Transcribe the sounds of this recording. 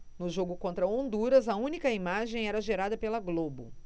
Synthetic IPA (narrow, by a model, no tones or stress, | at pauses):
nʊʒoɡʊkõnt̪ɾɐõnd̪uɾɐzɐũnikɐimaʒẽj̃ɛɾɐʒeɾad̪ɐpelɐɡlobʊ̰